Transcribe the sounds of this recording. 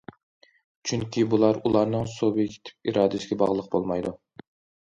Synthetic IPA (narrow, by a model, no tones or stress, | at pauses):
t͡ʃʰyŋkʲʰibulˠɑɾulˠɑɾnɨŋsobɪkʲʰe̥t̪ʰɪ̥p̚iɾɑːd̪ɪsɪɡʲɛbɑʁlˠəq̚bolˠmɑjd̪u